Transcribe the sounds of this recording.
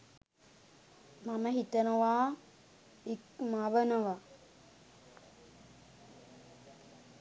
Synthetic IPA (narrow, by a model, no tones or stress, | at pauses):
maməɦit̪ənəwaː | ikmaʋənəʋa